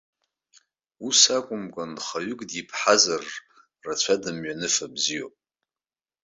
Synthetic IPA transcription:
usakʷʼʊmkʼanχaɥʏkʼdipʰħazar | rat͡ɕʷʰadɨmɥanɨfabzijopʼ

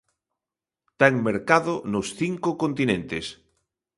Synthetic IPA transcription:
t̪aeŋmeɾkaðonosθiŋkokõnt̪inẽnt̪es

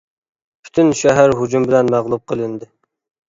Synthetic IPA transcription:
pʰy̥t̪ʰynʃɛɦæɾɦud͡ʒumbɪlɛnmæʁlˠup̚qʰəlˠɨnd̪ɪ

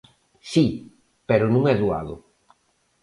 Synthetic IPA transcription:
si | peɾʊnũŋɛðua̰ðʊ̰

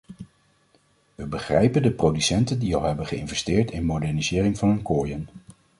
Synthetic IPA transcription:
ʋəbəχrɛjpəndəprowdysɛntəndiɑlˠɦɛbənχəɪnvɛstɪːɹtɪnmowdɛɹnizɪːrɪŋvɑnɦɵnkoːjən

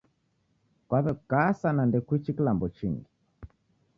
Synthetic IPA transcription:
kwaβɛkasanandɛkwit͡ʃikilambɔt͡ʃiŋɡi

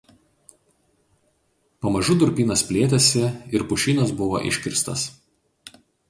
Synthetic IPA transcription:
pɐmɐʒʊd̪ʊɾʲpʲiːnɐspʲlʲeːt̪ʲɛsʲɪɪɾpʊʃʲiːnɐsbʊʋo̰ːʔɪ̰ʃʲkʲɪɾst̪ɐ̰s

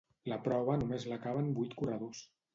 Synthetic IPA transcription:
lapɾɔβ̞ənumezlakaβəmbujt̪kurəðos

